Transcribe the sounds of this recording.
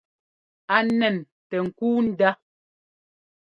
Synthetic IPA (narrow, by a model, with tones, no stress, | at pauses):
a˨nɛ˨n | tɛ˨ŋ̩˨kuː˦n̩˦da˦